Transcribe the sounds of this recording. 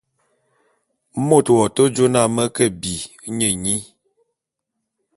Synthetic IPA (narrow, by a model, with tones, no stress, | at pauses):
mo˦˨twɔ˨to˦d͡ʒo˦na˦˨mə˦kə˦bi˨˦ | ɲə˨ɲi˦